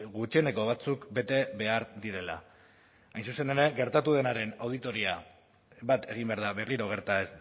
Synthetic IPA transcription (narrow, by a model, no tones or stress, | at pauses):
ɣut͡ʃiene̞ko̞βat͡sukbe̞t̪e̞βe̞aɾd̪iɾe̞la̰ | ajnsuse̞neɾe̞ɣe̞ɾt̪at̪uð̞e̞naɾe̞nawð̞it̪o̞ɾia | bat̪ʰe̞ɣ̞imbe̞aɾðaβerliɾo̞ɣ̞e̞ɾt̪aes